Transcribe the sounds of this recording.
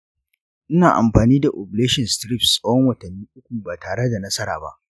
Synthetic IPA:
ʔɪ˦naː˨ʔa̰˨mɸaː˨niː˦da˨ʔo˨bleː˦ʃɪ˨nstɾi˦˨pssʼɐ˦wɔ˦ŋwɐ˨tɐ˨nːiː˦ʔʊ˦kʷu˨baː˨taː˨ɽe˦da˨nɐ˦sɐ˦ɾa̰ː˨ba̰˦ʔ

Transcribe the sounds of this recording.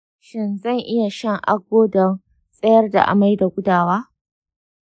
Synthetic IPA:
ʃɪ˦˨nzɐ˦˨ŋʔɪ˦ja˨ʃɐ˦˨ŋʔa˦ɡʷoː˦da˨ | sʼɐ˦jɐ˦rda̰˨ʔa̰˨ma˦jda˨ɡʷʊ˦daː˨waː˦

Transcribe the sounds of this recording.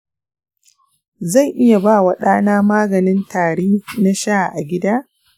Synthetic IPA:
za˦˨jʔɪ˦ja˨baː˦˨wa˨ɗaː˦naː˦maː˦ɡɐ˨nɪ˦ntaː˨ɽeː˦na˦ʃa˦˨ʔa˨ɡʲɪ˦daː˦

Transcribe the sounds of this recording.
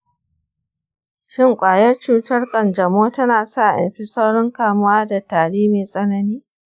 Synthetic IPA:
ʃɪ˦ŋkʷʼaː˨jɐ˦rt͡ʃuː˦tɐ˦rkʼɐ˨nd͡ʒɐ˨moː˦tɐ˦naː˨sa˦ʔʔɐ̰˨mɸi˦sʼɐ˦wɽɔ˦ŋkaː˨mʊ˦waː˦da˨taː˨ɽiː˦meː˨sʼɐ˦nɐ˦niː˦

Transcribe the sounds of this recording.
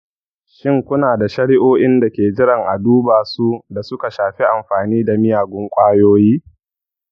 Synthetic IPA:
ʃɪ˦ŋkʷʊ˦naː˨da˨ʃɐ˦ɽɪ˦ʔoː˦ʔɪ˦nda˨kʲeː˨d͡ʒɪ˦ɽɐ˨ŋʔa̰˨duː˦baː˨su˦da˨sʊ˦ka˨ʃaː˨ɸe˦ʔa˨mɸaː˨niː˦da˨mɪ˦jaː˨ɡʷʊ˦ŋkʷʼaː˦joː˦jiː˦

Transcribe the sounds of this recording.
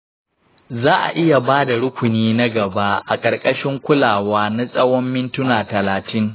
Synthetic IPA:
zaː˦ʔa̰˨ʔɪ˦ja˨baː˦da˨ɽʊ˦kʷʊ˨niː˦na˦ɡɐ˨ba˦ʔa˨kʼɐ˨rkʼɐ˦ʃɪ˦ŋkʷʊ˦laː˨waː˦na˦sʼɐ˦wɔ˦mːɪ˦ntʊ˦naː˨tɐ˨laː˨tɪ˦ŋ

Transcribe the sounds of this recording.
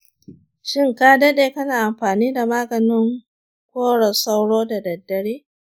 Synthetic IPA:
ʃɪ˦ŋkaː˦dɐ˦ɗeː˨kɐ˦naː˨ʔa˨mɸaː˨niː˦da˨maː˦ɡɐ˨nɪ˦ŋ | kʷoː˦ɽɐ˨sa˦wɽoː˦da˨dɐ˨dːɐ˨ɽeː˦

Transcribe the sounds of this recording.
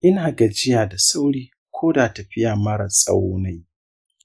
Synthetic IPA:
ʔɪ˦naː˨ɡɐ˨d͡ʒɪ˦jaː˨da˨sa˦wɽiː˦ | kʷʰoː˦daː˨tɐ˨ɸɪ˦ja˨mɐ˦ɾa˨sʼa̰˦wna˦j

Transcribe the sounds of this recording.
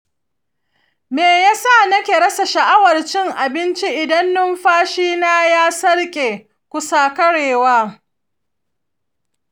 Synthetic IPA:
meː˨jaː˦sa˦˨nɐ˦kʲeː˨ɽɐ˦sa˨ʃɐ˨ʔa˦wɐ˨rt͡ʃɪ˦ŋʔa˨bɪ˦nt͡ʃi˦ʔɪ˨dɐ˦nːʊ˦mɸaː˦ʃiː˦naː˦jaː˦sɐ˦ɽkʲʼeː˨ | kʷʊ˦saː˦kɐ˦ɽeː˨waː˦

